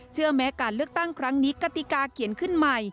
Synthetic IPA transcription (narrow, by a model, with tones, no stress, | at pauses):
t͡ɕʰɯ˦˥əmɛː˦˥kaː˧nlɯ˥˩ək̚t̪a˥˩ŋkʰɾa˦˥ŋniː˦˥ka˧t̪i˧kaː˧kʰi˨˩˦ənkʰɯ˥˩nma˧j